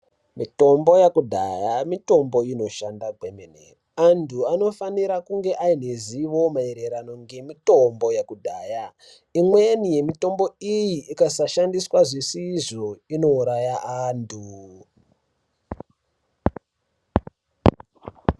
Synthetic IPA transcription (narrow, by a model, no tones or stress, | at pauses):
mito̞mbo̞jakudʱa̰jamito̞mbo̞ino̞ʃandaɡʱemenḛ | antʰuano̞faniɾakuŋɡe̞ʔaineziʋo̞maeɾe̞ɾano̞ŋɡe̞mito̞mbo̞jakudʱaːja | imwe̞nije̞mito̞mbo̞ijiʔːkasaʃandiswaʐisiʐo̞ino̞uɾajaʔantʰu